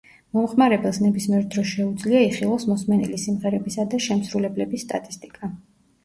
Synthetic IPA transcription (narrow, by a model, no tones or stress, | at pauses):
mɔmχmaɾɛbɛlˠsnɛbismiɛɾd̪ɾɔsʃɛud̪zliaiχilˠasmɔsmɛnɛ̰lisimʁɛɾɛbisad̪aʃɛmsɾulɛblɛbisːt̪ʼa̰t̪ʼist̪ʼi̥kʼa